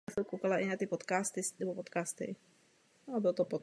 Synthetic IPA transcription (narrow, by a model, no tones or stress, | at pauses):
sɛwkowkalaʔɪnat̪ɪpot̪kaːst̪ɪsnɛbopot̪kaːst̪ɪ̰ | abɪlot̪opot̪